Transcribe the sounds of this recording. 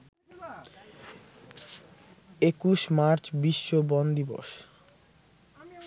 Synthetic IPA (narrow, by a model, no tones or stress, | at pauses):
ekuʃmaɾt͡ɕbiʃːobɔnd̪ibo̰ʃ